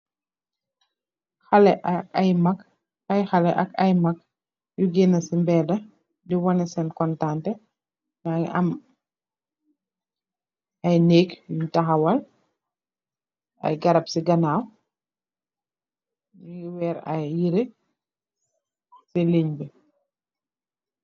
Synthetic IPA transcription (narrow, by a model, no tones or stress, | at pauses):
xɐlɛʔɐkɐjmɐk | ɐjxɐlɛʔɐkɐjmɐk | juɡenɐsimbɛːdɐ | diwɔnɛsɛnkɔntantɛ | naɐ̰m | ɐjneːkjuɲtɐxɐwɐl | ɐ̰jɡɐɾɐpsiɡɐnaw | juɡiwɛːɾɐ̰jːiɾe | sileɲbɛ